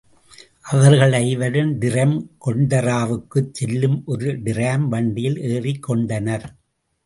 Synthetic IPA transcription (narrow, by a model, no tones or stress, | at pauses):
ʔɐʋɐɾɣɐɭɐɪʋɐɽɯmd̪ɪɾɐmkɔɳɖɐɾaːʋɯkːɯt͡ʃːɛlːɯmʔɔɾɯɖɪɾaːmʋɐɳɖɪjɪlʔeːrɪkːɔɳɖɐnɐɾ